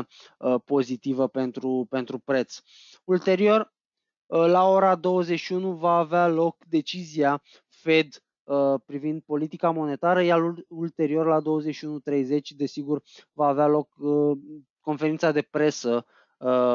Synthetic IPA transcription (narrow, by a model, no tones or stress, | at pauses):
əpo̞zit̪ivəpe̞nt̪ɾupe̞nt̪ɾupɾe̞t̪s | ult̪e̞ɾio̞r | əlao̞ɾad̪o̞wəze̞t͡ʃʃiunuvaːvealo̞kd̪e̞t͡ʃizia | fe̞d̪ | əpɾivind̪̚po̞lit̪ikamo̞ne̞t̪aɾəjaɾult̪e̞ɾio̞rlad̪o̞wəzeʃiunut̪ɾe̞jze̞t͡ʃʲd̪e̞siɡurvaːvealo̞kə | ko̞nfeɾint̪sad̪e̞pɾe̞sə